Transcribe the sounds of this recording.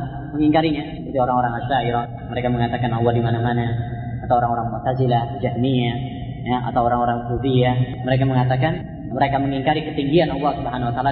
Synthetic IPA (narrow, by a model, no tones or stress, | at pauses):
məŋiŋkaɾiɲa | put̪ioɾaŋoɾaŋasaiɾɔ | məɾekaməŋat̪akanalːadimanamana | at̪awoɾaŋoɾaŋmurt̪azilahd͡ʒahmija | jaa̰t̪awoɾaŋoɾaŋfuzia | məɾek̬aməŋat̪akan | məɾekaməŋiŋkaɾikət̪iŋɡianɑlˠːɑhsubɦanawat̪ala